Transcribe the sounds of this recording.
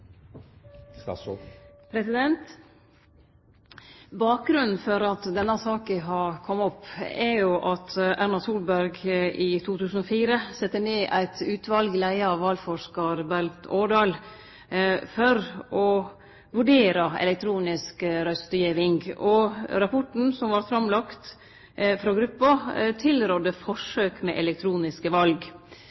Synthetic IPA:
pʰɾɛsɪd̪ɛnt̪ | bɑːk̚ɡɾʉnn̩fɔɾɑt̪d̪ɛnːɑsɑːkɪɦɑkʰɔmːɔpːɛɾjʊʔɑt̪ʰʔæɾnɑsuːlbæɾɡʔit̪ʰuːt̪ʰʉːsən̩ɔfiːɾəsɛt̪ːəɳeːʔæɪt̪ʰʉːt̪ʰʋɑlɡlæɪəɑʋːɑːlfɔʂkɑɾbælt̪ʰoːɖɑːl | fɔɾɔ | ʋʉɖeːɾɑɛ̰lɛkt̪ʰɾuːnɪskəɾœst̪jeʋɪŋɡɔɾɑpʰɔʈɳn̩sɔmʋɑɾfɾɑmlɑkt̪ | fɾɔɡɾʉpːɑt̪ʰɪlɾɔd̪əfɔʂøːkmɛʔɛlɛk̚t̪ʰɾuːnɪskəʋɑlɡ

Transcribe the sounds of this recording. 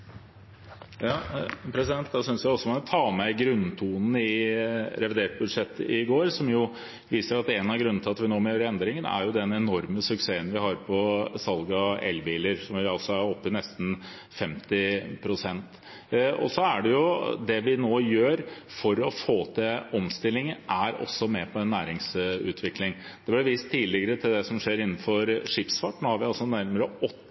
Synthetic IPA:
jɑːpʰɾɛsɪd̪ɛnt̪d̪ɑsʏnsʋjæɪɔsːɔmɑnt̪ʰɑːmɛɡɾʉnt̪ʰuːnn̩ɪɾɛʋɪd̪eːʈ̪̚bʉd̪ʂɛt̪ːəɪɡoːɾsɔmjʊ | ʋiːsəɾɑt̪ɛnɑɡɾʉnnt̪ʰɑt̪ːəʋɪnoːmɛhøːɾɛnd̪ɾɪŋənæ̰ɾjʊd̪ɛnɛnɔɾməsʉkseːənʋɪhɑɾpʰɔsɑlɡɑɛ̰lʋɪləɾsɔmʋɪɑlsɔæɾɔpːənɛst̪n̩ | fɛmt̪ɪpʰɾʊsɛnt̪ | ɔ̰sɔæɖɛjʊd̪ɛʋɪnoːjøːɾfɔɾɔfoːt̪ʰɛɔmst̪ɪlːɪŋəʔæɾɔ̰sːɔmɛpʰɔɛnːæːɾɪŋsʉ̰ːt̪ʰʋɪklɪŋd̪̥ɛblɪʋiːst̪ʰːiːlɪɡəɾət̪ʰɪld̪ɛsɔmʂeːɾɪnːn̩fɔɾʂɪpsfɑʈnoːhɑɾʋɪɑlsɔnæɾməɾəɔ

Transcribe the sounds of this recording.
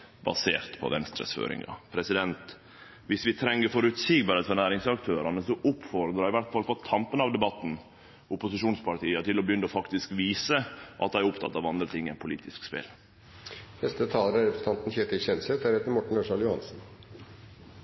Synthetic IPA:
bɑ̰sḛːɾt̪pʰɔ̰ʋɛnst̪ɾə̰sfø̰ːɾɪ̰ŋɑ̰pʰɾɛsɪd̪ɛnt̪ | ʋɪsʋɪt̪ʰɾɛŋːəɾfɔɾʉt̪siːɡbɑɾheːt̪fɔɾnæːɾɪŋsɑkt̪ʰøːɾɑnəsɔʔʊpfɔɾd̪ɾɑɪʋæɾt̪fɑlfɔt̪ʰɑmpənɑʋd̪ɛbɑt̪ːn̩ | ʊpʊsɪʂuːnspʰɑʈʰiːət̪ʰɪlɔbəjʏnːəɔfɑkt̪ɪskʋiːsəʔɑt̪d̪æɪæɾʊpt̪ʰɑ̰t̪ːɑːʋɑnd̪ɾət̪ʰɪŋːænpʰʊliːt̪ʰɪskspɪ̰l | nɛst̪ət̪ʰɑːləɾəɾɛpɾsə̥ɑnt̪n̩çeːt̪ɪçɛnsɛt̪hæːɾhet̪əɾmɔʈːɳ̩oʂɑljʊhɑ̰nsn̩

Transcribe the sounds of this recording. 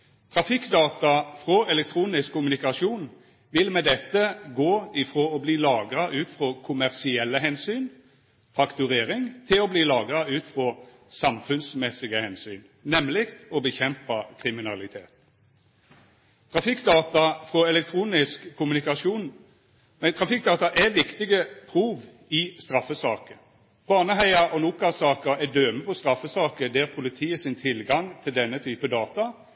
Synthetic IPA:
t̪ʰʁɑfɪkːd̪ɑːt̪ɑfʁɔɛlɛk̚t̪ʰʁuːnɪskkʰːʊmʉnɪkɑʃuːn | ʋɪlmɛd̪ɛt̪ːəɡoːɪfʁoːɔbliːlɑːɡʁɑʔʉːt̪fʁɔkʰʊmæʁsɪɛlːəɦɛnsyːn | fɑkt̪ʉʁeːʁɪŋt̪ʰɪlɔbliːlɑːɡʁɑʉːt̪fʁɔ | sɑmfʉnsmɛsɪɡəhɛnsyːn | nɛmlɪkt̪ɔbəçɛmpɑkʰʁɪmɪnɑlɪt̪ʰeːt̪ | t̪ʰʁɑfɪkːd̪ɑːt̪ɑfʁɔɛlɛk̚t̪ʰʁuːnɪskʰːʊmʉnɪkɑʂuːn | mɛt̪ʰʁɑfɪkd̪ɑːt̪ɑʔɛʋɪkt̪ɪɡəpʰʁuːʋ | ɪst̪ɾɑfːəsɑːkə | bɑːnəɦæɪɑɔnuːkɑsɑːkəɛd̪øːməpʰɔst̪ɾɑfəsɑːkəd̪ɛːʁpʰʊlɪt̪ʰiːəsɪnt̪ʰɪlɡɑŋt̪ʰɪld̪ɛnːət̪ʰyːpəd̪ɑːt̪ɑ

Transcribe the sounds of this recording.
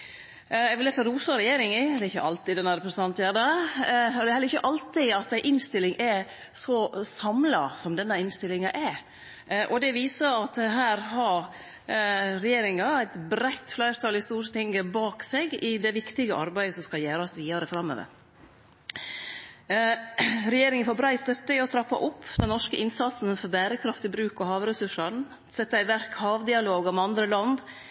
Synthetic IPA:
ɛɡʋɪlɛfɔɾuːsɑɾɛjeːɾɪŋɪd̪ɛɾɪçːə̰ʔɑlt̪ɪd̪ɛnːɑɾɛpɾəsnɑnt̪jæːdə | ɔd̪ɛhɛlːɾɪçəʔɑlt̪ɪɑt̪̚d̪æɪʔɪnst̪ɪlːɪŋʔɛ | sɔsɑmlɑsɔmd̪ɛnːəɪnst̪ɪlːɪŋɑʔɛ | ʔɔd̪ɛʋiːsɑɑt̪ɛɦæːɾɦɑ | ɾɛjeːɾɪŋɑæɪt̪bɾæɪt̪flæɪɾt̪ʰɑlɪst̪uːɾt̪ʰɪŋɡəbɑːkseɡɪd̪ɛʋɪkt̪ɪɡəʔɑ̰ɾbæɪəsɔmskɑljæːɾɑsʋiːɑɾəfɾɑmːø̰ːʋə̰ɾ | ɾɛjeːɾɪŋənfɔbɾæɪst̪œt̪ːəɪɔt̪ʰɾɑpːɑ̰ʔʊpʰːd̪ɛnnɔʂkəʔɪnsɑt̪sn̩fɔɾbæːɾəkʰɾɑft̪ɪbɾʉːkɔhɑːʋɾɛsʉʂəɳ | sɛt̪ːæɪʋæɾkhɑːʋd̪ɪɑloːɡɑmɛɑnd̪ɾəlɑnd̪

